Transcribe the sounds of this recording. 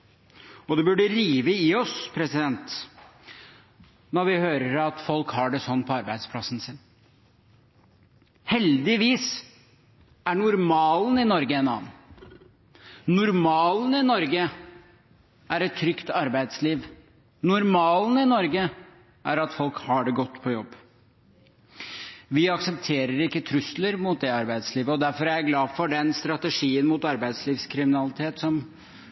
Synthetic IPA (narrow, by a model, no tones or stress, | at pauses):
ɔd̪ɛbʉɖəɾiːʋəɪɔspʰɾɛsɪd̪ɛnt̪ | nɔɾʋɪhøːɾəɾɑt̪fɔlkhɑːɖɛsɔnːpʰɔɑɾbæɪd̪spʰlɑsn̩sɪnː | hɛld̪ɪʋiːs | æɳʊɾmɑːlnɪnɔɾɡəɛnɑ̰ːnn̩ | nːʊɾmɑːlnɪnɔɾɡə | æɾɛt̪ʰːɾʏkt̪ɑɾbæɪd̪sliːʋ | nʊɾmɑːlnɪnɔɾɡə | ʔæɾɑt̪fɔlkhɑɖɛɡɔt̪ːpʰɔjɔbː | ʋɪɑksəpt̪ʰeːɾəɾɪkːət̪ʰɾʉsləɾmuːt̪̚d̪ɛɑɾbæɪd̪sliːʋəɔd̪æɾfɔɾæjæɡlɑːfɔɖɛnst̪ɾɑt̪əʂiːənmut̪ɑɾbæɪd̪sliːʋskʰɾɪmɪnɑlɪt̪ʰeːt̪sɔm